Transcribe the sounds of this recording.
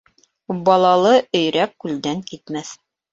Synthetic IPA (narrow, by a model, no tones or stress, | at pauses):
bɑlˠɑlˠɤɵ̆jɾækːʉld̪æŋkit̪mæθ